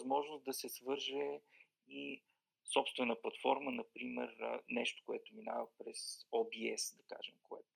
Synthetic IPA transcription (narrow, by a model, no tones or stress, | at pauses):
zmɔʒnʊst̪̚d̪ɐsɛsvɤɾʒɛ | i | sɔpst̪vɛnəplˠɐt̪fɔɾmənɐpɾimɛ̰ɾnɛʃt̪o̥koɛt̪ʊminavəpɾɛsɔbiɛsd̪ɐka̰ʒɛmkoɛ̰t̪ʊ̥